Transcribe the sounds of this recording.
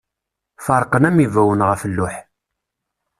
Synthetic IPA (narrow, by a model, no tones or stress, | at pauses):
fəɾˤqənæmivæwənʁəfəlːʊħ